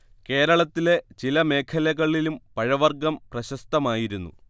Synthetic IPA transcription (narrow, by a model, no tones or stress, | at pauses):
ke̞ːɾɐɭɐt̪ːile̞t͡ɕilɐme̞ːkʰɐlɐɣɐɭilumpɐɻɐʋɐrɡɐmprɐɕɐst̪ɐmaːjiɾunːṵ